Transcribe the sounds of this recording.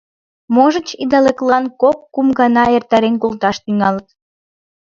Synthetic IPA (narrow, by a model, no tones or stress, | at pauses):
moʒət͡ɕid̪ɑleklɑnkokːumɡɑnɑert̪ɑɾenkolt̪ɑʃt̪yŋɑlət̪